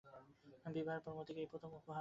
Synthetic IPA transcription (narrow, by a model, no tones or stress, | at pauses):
bibʱaɾpoɾmot̪ʰikejpɾot̪ʰomupoɦa